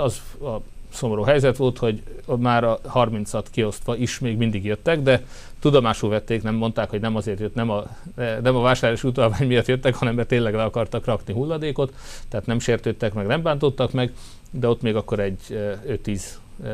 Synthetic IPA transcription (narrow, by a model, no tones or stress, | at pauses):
ɒzɒ | so̞moɾoːɦɛjzɛt̪ʋo̞lt̪ho̞ɟmaːɾɒhɒrmint̪sɒt̪kio̞st̪ʋɒiʃmeːɡmind̪iɡjøt̪ːɛɡd̪ɛ | t̪ud̪omaːʃuːvɛt̪ːeːknɛmːo̞nt̪aːkhoɟnɛmɒzeːrt̪jøt̪nɛmɒɛnɛmɒvaːʃaːrlaːʃiuːt̪ɒlvaːɲmijɒt̪jøt̪ːɛkhɒnɛmbɛt̪eːnlɛɡlɛɒkɒrt̪ɒkrɒkniɦulːɒd̪eːko̞t̪ːɛːt̪nɛmʃeːrt̪øːt̪ːɛkmɛɡnɛmbaːnt̪o̞t̪ːɒkmɛɡ | d̪ɛo̞t̪meːɡɒkːo̞ɾɛɟːøt̪ːiːz̥